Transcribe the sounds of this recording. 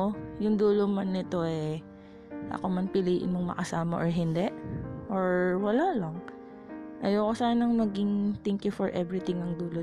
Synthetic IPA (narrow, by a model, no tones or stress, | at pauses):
jʊŋd̪uːlomɐnːɪt̪o̞ʔɛ | ʔɐ̰komɐnpɪliːʔɪ̰nmoŋmɐ̰kɐsaːmɐʔoɹɦɪnd̪ɛʔʔoɹwɐlalɐŋ | ʔɐjowkosaːnɐŋmɐɡiŋt̪ɛŋkjʊfɔɹʔɛvɹɪt̪ɪŋɐŋd̪uːlo